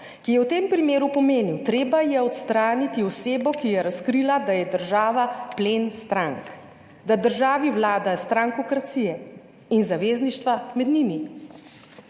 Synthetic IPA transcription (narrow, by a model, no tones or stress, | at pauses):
kijɛwt̪eːmpɾimeːɾupɔmeːniwt̪ɾeːbajɛɔt̪st̪ɾaːnit̪iɔseːbɔkijɛɾaskɾilad̪ajɛd̪əɾʒaːʋapleːnst̪ɾaŋk | d̪ad̪əɾʒaːʋiwlaːd̪ast̪ɾaŋkɔkɾat̪sijɛ | inzaʋeːzniʃt̪ʋamɛd̪nimi